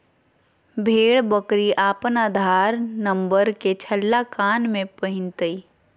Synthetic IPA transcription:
bʱeːɽbəkɾiʔaːpənaːd̪ʱaːɾnə̃mbəɾket͡ʃʰəlːakaːnmẽpəɦɪ̃nt̪əi

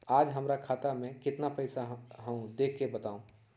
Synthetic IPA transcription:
aːd͡ʒɦəmɾakʰaːt̪amẽkɪt̪napəɪsaɦəũd̪ekʰːebət̪aːũ

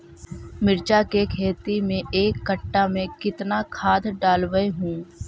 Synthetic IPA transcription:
mɪɾd͡ʒakekʰeːt̪imẽʔeːkːəʈːamẽkɪt̪nakʰaːd̪ɖaːlʋəeɦũː

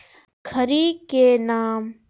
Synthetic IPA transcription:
kʰəɾiːkenaːm

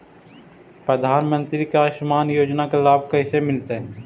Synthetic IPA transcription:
pɾəd̪ʱaːnmə̃nt̪ɾikaʃmaːnjoːd͡ʒnakelaːb̚ʱkɐɦɪsemɪlt̪eɦɛ̃ː

